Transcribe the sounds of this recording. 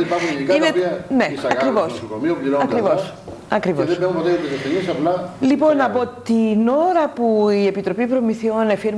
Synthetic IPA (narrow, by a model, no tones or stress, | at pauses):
ipɐɾxunikɐinepiɐnesɐɐkɾivossokomiopliɾoɐkɾivos | ɐkɾivoðesbeũpot̪et̪iseftenisɐplɐlipo̞nːɐpot̪ino̞ɾɐpuie̞pit̪ɾo̞pipɾo̞miθio̞nefiɾ